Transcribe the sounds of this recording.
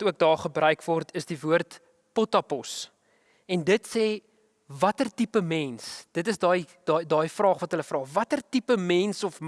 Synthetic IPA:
tuək̚dɑːχəbrœɥkvɔrtʰəsdivuərt | pɔtɐpɔs | ɛndətseː | vɐtərtipəmɛnsd̥ətəsdɑːjdɑdɑːjfrɑːχvɐtɦələfrɑːvɐtərtipəmɛnsɔfm

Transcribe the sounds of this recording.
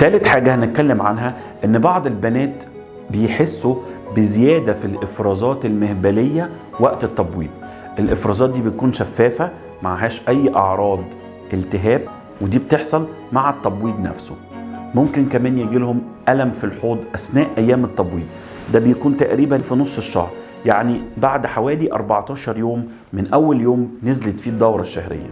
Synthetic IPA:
t̪æːlet̪ħaːɡæhænet̪̚kælːemʕanɦæ | ʔenːbɑʕd̪ˤelbænæːt̪ | bejħesːobezejæːd̪æfilʔefɾˤɑːzˤɑːt̪elmehbælejːæ | wæʔt̪et̪ːɑbwḭːd̪̚ | ʔelʔefɾˤɑːzˤɑːt̪̚d̪iːbejkuːnʃæfːæːfæ | maʕaɦæːʃʔæjːʔɑʕɾˤɑːd̪ˤ | ʔelt̪ɪɦæːb̚ | wed̪iːbet̪eħsˤɑl | maʕæt̪ˤːɑbwiːd̪næ̰fso | momkenkæmæːnjeɡilhom | ʔælæmfilħoːd̪ˤʔæsnæːʔʔæjːæːmet̪ːɑbwiːd̪̚ | d̪æbejækuːnt̪æʔɾiːbænfinosˤːeʃːɑ̰hɾˤ | jaʕnibaʕd̪ħawæːliʔɑ̰ɾˤbɑʕt̪ˤɑːʃɑɾˤjoːmː | ɪnʔæwːæljoːmnezlet̪fiːd̪ːɑwɾˤɑʃːæhɾḛjːæ̰

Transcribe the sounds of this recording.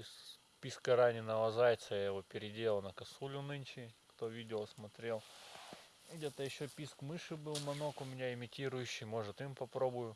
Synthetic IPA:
s | pʲiskəɾanʲɪnəvˠɐzajt̪səjajɪvo̞pʲɪɾʲɪdʲe̞lˠnəkɐsulʲʊnɨnʲt͡ɕɪkt̪o̞vʲidʲɪlˠəsmɐt̪ɾʲe̞lˠ | ɡdʲet̪əjɪɕːopʲiskmɨʂɨbɨlˠmɐno̞kʊmʲɪnʲaɪmʲɪtʲiɾʊjʉɕːɪjmo̞ʐɨt̪impɐpɾo̞bʊjʊ

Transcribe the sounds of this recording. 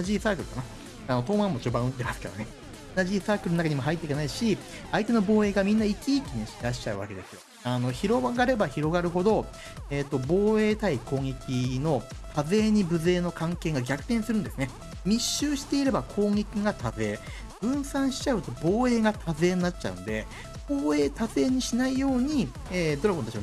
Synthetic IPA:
aʑisaːkɯ̟ɾɯkana | ano̞t̪o̞ːmãmːo̞t͡ɕoːbãɯ̟t̪t̪e̞masɨ̥ke̞d̪one̞ | naʑisaːkɯɾɯnoakaɲ̟imo̞ɦait̪ːeikenaiɕi | ait̪e̞no̞bo̞ːe̞ːɡamʲĩnːaikʲiːkʲiɲ̟iɾaɕi̥t͡ɕaɯ̟βa̰ke̞d̪e̞sɨjo̞ | ano̞çiɾo̞ɡaɡaɾe̞baçiɾo̞ɡaɾɯ̟ɦo̞d̪o̞ | eːt̪ːo̞bo̞ːe̞ːt̪aiko̞ːŋe̞kʲino̞t̪aze̞ːɲ̟ibɯ̟ze̞ːno̞kãŋke̞ːŋɡaɡʲakɯ̟̥t̪ẽsɨɾɯ̟nd̪esɨne̞ | mʲiɕːɨːɕi̥t̪e̞iɾe̞bakʰo̞ːŋʲe̞kʲiɡat̪aze̞ː | b̥ɯ̟̃ɰ̃sãɰ̃ɕi̥t͡ɕaɯ̟t̪o̞bo̞ːe̞ːɡat̪azɨe̞ːnːat͡ɕt͡ɕa̰ɯ̟̰̃nd̪e̞ | b̥o̞ːe̞ːt̪azɨe̞ːɲ̟iɕinaijo̞ːɲ̟i | eːd̪o̞ɾaɡot̪at͡ɕi

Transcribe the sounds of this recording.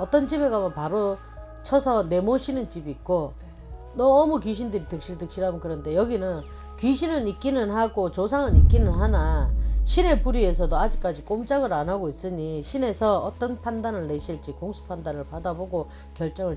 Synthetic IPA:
ʌt͈ʌnt͡ɕibe̞ɡamʌpaɾo | t͡ɕʰʌsʰʌne̞moɕʰinɯnt͡ɕibːt̚k͈o | nʌmukɥiɕ̬ʰindɯɾitɯk̚ɕ͈iɭdɯk̚ɕ͈ʰiɾɦamɯnkɯɾʌnde̞jʌɡinɯn | kɥiɕʰinɯnik͈inɯnɦaɡot͡ɕosʰaŋɯnik͈inɯnɦanaɕʰine̞puɾie̞sʰʌdoad͡ʑik͈ad͡ʑik͈omt͡ɕ͈aɡɯɾanɦaɡois͈ɯɲiɕʰine̞sʰʌʌt͈ʌnpʰandanɯɭːe̞ɕʰiɭt͡ɕ͈ikoŋsʰu̥pʰandanɯɭpadaboɡo | kjʌɭt͡ɕ͈ʌŋɯɭ

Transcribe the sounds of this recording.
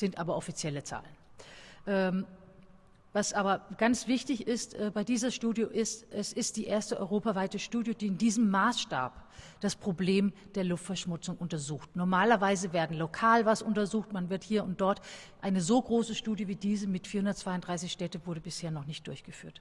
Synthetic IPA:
z̥ɪntʔaːbɐʔɔfit͡sjɛlət͡sa̰ːlənʔɛːm | vasʔaːbɐɡ̥ant͡sv̥ɪçtɪçɪstʔɛːbaɪdiːzɐʃtuːdjoʔɪstʔɛsɪst̚d̥iːʔeːɐstəʔɔ̰ʏʁoːpavaɪtəʃtuːdjod̥iːɪndiːzəmːaːsʃta̰ːp | d̥aspʁ̥obleːmd̥eːɐlʊftfɛɐʃmʊt͡sʊŋʔʊntɐzuːxtnɔɐmaːlɐvaɪzəveːɐdn̩lokʰaːlvasʔʊntɐzuːxtmanvɪɐthiːɐʊntd̥ɔɐtʔaɪnəzoːɡʁoːsəʃtuːdjəviːdiːzəmɪtfiːɐhʊndɐtt͡sv̥aɪʊnd̥ʁaɪs̬ɪçʃtɛːtəvʊɐɾəbɪsheːɐnɔχnɪçt̚d̥ʊɐçɡ̥əfy̰ːɐt

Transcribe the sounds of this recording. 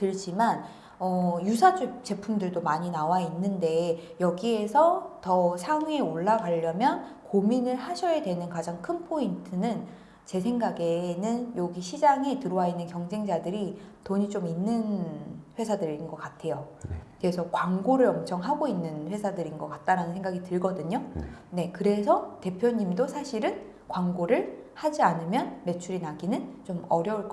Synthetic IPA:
tɯɭd͡ʑiman | ʌjusʰad͡ʑut͡ɕe̞pʰumdɯɭdomaɲinawainːɯnde̞jʌɡie̞sʰʌtʌsʰaŋeoɭːaɡaʎːʌmjʌnkominɯɭhaɕʰʌjedwe̞nɯnkad͡ʑaŋkʰɯnpʰointʰɯnɯn | t͡ɕe̞sʰe̞ŋɡaɡe̞nɯnjoɡiɕʰid͡ʑaŋe̞tɯɾowainːɯnkjʌŋd͡ʑe̞ŋd͡ʑadɯɾitoɲit͡ɕominːɯnɸwe̞sʰadɯɾinɡʌk͈atʰe̞jokesʰʌkwaŋɡoɾɯɾʌmt͡ɕʰʌŋɦaɡoinːɯnɸwe̞sʰadɯɾinɡʌk͈at̚t͈aɾanɯnsʰe̞ŋɡaɡitɯɭɡʌdɯɲone̞kɯɾe̞sʰʌte̞pʰjoɲimdosʰaɕʰiɾɯn | kwaŋɡoɾɯɭhad͡ʑianɯmjʌnme̞t͡ɕʰuɾinaɡinɯnt͡ɕomʌɾjʌuɭk͈

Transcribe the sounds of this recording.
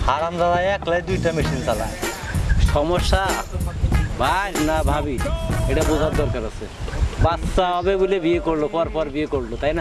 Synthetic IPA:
haɾamzad̪ajaklajd̪ujʈamiʃint̪ala̰ | ʃɔmɔʃːa | bʱaɾnabʱabieʈabuzʱad̪ɔɾkɔɾasʰe | bat̪saɦɔbebulebiekoɾlopɔɾpɔɾbiekoɾlot̪ajna

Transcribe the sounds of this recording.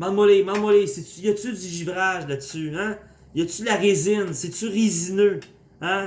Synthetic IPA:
mɑ̃d̪mɔlemɑ̃nmɔlesɛsyjʌt̪syd̪yʒivʁaʒlatsyã | jʌt̪syd̪laʁezɪnsɛsyʁizinø | ã

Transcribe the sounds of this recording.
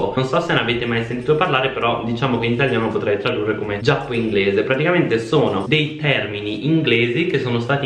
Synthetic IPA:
nonsɔsenonaveːt̪emajsent̪iːt̪oparlaːɾepeɾɔd̪it͡ʃaːmokeinit̪aljaːnopot̪ɾɛjt̪ɾad̪urːekomed͡ʒapːoiŋɡleːzepɾat̪ikament̪esoːnod̪ejt̪ɛrminiʔiŋɡleːzikesːoːnost̪aːt̪i

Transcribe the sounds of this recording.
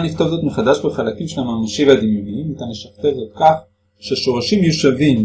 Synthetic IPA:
nift̪ovzo̞t̪meχad̪aʃbeχalakimʃelamamaʃivad̪imjoniimit̪anleʃaft̪evzo̞t̪̚kaχ | ʃeʃo̞ʁaʃimjuʃavim

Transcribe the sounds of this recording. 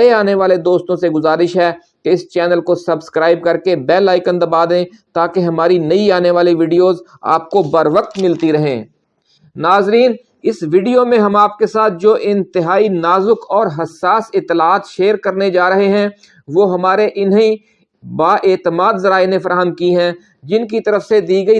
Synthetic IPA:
eaːneʋaːled̪oːst̪õseɡʊzaːɾɪʃɦɛː | keɪst͡ʃɛːnəlkosɐbskɾaːɪb̚kɐɾkebɛːlːaːɪkə̃nd̪ɐbaːd̪ẽː | t̪aːkeɦɐmaːɾinɐiaːneʋaːliʋiːɖijoːza̰ːp̚kobɐɾʋək̚t̪mɪlt̪iɾɐɦḛ̃ː | naːzɾiːn | ɪsʋiːɖijomẽɦɐmaːp̚kesaːt̪̚ʰd͡ʒoːʔɪ̃nt̪ɪɦaːinaːzʊkɔːɾɦɐsːaːsɪt̪ːɪlaaːt̪ʃeːɾkɐɾned͡ʒaːɾɐɦeɦɛ̃ | ʋoːɦɐmaːɾeʔɪnɦẽ | baːʔeːt̪əmaːd̪zɐɾaːenefɐɾaːɦəmkiɦɛ̃ː | d͡ʒɪnk̬it̪ɐɾəfsed̪iːɡəi

